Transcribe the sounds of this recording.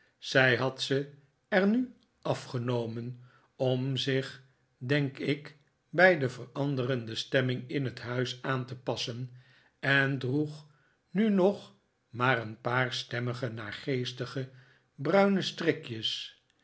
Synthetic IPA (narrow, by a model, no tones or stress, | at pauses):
sɛjɦɑtsə | ɛɹny | ɑfχənowmən | ɔmzɪχ | dɛŋkɪk | bɛjdəvərɑndərəndəstɛmɪŋɪnɦətɦœɥsaːntəpɑsən | ɛndruχ | nynɔχ | maːɾənpaːɹstɛməχənaːɹχejstəχə | brœɥnəstrɪkjəs